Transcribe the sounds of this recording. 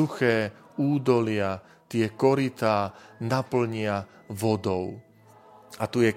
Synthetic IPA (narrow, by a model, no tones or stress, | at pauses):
uxɛː | uːd̪ɔlɪa | t̪ɪɛkɔɾit̪aːnapl̩ɲɪa | ʋɔd̪ɔʊ | at̪ujɛ